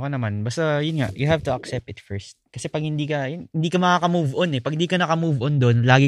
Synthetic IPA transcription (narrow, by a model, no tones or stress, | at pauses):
kɐnɐmanbast̪ɐjʊnŋa̰ʔjʊɦavt̪ʊɐksɛp̚t̪ɪt̪fɛɹst̪̚kɐsɛpɐɡ̚hɪnd̪iːkɐjʊnhɪnd̪iːkɐmɐkakɐmuːvʔonɛpɐɡhɪnd̪iːkɐnɐkɐmuːvʔond̪onlaːɡɪ